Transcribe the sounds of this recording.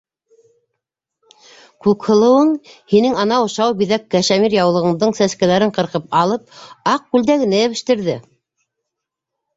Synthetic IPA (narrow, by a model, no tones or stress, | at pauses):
kʉkhɤ̆lˠɤ̆wɤɴhinɘŋɑnɑŏʃɑwbiðækːæʃæmiɾjɑwlˠɤ̆ʁɤ̆ɴd̪ɤɴsæskælæɾɘɴqɤ̆ɾqɤp̚ɑlˠɤp̚ɑq̚kʉld̪æɡɘ̆næɘ̆βɘ̆ʃt̪ɘ̆ɾðɘ